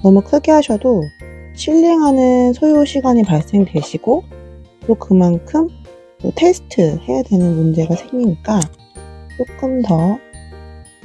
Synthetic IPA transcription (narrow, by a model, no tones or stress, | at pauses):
nʌmukʰɯɡeɦaɕʰʌdoɕʰiʎːeŋɦanɯnsʰojoɕʰiɡwaɲipaɭs͈e̞ŋdwe̞ɕʰiɡ̥ot͈okɯmankʰɯm | totʰe̞sʰɯ̥tʰɯhe̞jadwe̞nɯnmund͡ʑe̞ɡasʰeŋɲiɲik͈a | t͡ɕ͈ok͈ɯmtʌ